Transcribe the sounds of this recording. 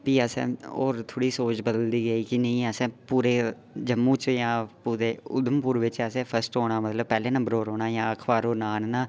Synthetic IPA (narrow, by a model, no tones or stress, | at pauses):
piːəsɛ̰̃ːoːɾt̪ʰoːɽiːsoːt͡ʃbəd̪əld̪iːɡəiːkinəĩːəsɛ̃ːpuːɾeː | d͡ʒəmːũːt͡ʃjãːpuːɾeːʊ̰d̪əmpuːɾʋɪt͡ʃəsɛ̃ːpʰəsʈɦoːɽaːmət̪ləbpɛːlẽːnə̃mbəɾɦoːɾɦoːnaːjãːəkʰʋaːɾoːnaːnnaː